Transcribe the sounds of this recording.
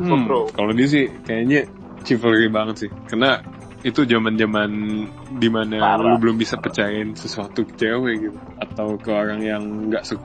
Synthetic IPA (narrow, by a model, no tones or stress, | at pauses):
okalodiəs̬ɪhkajaɲa | t͡ʃifəlribaŋət̪sɪhkərna | it̪ud͡ʒamand͡ʒaman | dimanalʊbəlʊmbisapərt͡ʃajaɪnsəsuat̪ukə̥t͡ʃeweɡit̪u | at̪awkəoɾaŋjaŋɡaʔsək